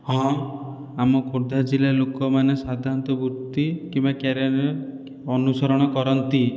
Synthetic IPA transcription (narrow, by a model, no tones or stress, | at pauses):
ɦɔ̃ | amɔkoɾd̪ʱad͡ʒilalokɔmanesad̪ʱant̪ɔbuɾt̪ikimbakeɾeɾe | ɔnusɔɾɔɽ̃ɔkɔɾɔnt̪i